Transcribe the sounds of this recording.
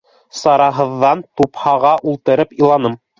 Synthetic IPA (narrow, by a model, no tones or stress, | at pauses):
sɑɾɑɦɤ̆ðːɑnt̪uphɑʁɑʔulˠt̪ɤ̆ɾɤpilˠɑnɤm